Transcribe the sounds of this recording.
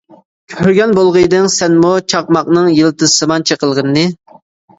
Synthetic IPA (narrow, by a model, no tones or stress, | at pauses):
kʲʰøɾɡʲɛnbolˠʁəd̪ɨŋsɛnmut͡ʃʰɑq̚mɑqnɨŋjelˠɨt̪ɨsɨmɑnt͡ʃʰəqəlˠʁənːɨ